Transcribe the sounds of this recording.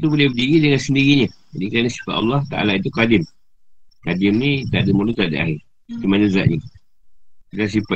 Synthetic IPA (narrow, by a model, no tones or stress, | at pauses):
t̪ubolɛhbədiɣidəŋansəndiɣiɲəd͡ʒadikaɾanasi̥fat̪ɑ̰lːɑht̪aa̰lait̪̬ukadɪm | kadɪmnit̪aʔdəmulut̪aʔdəa̰ɦɪr | timanəza̰ʔɲi | kit̪asipa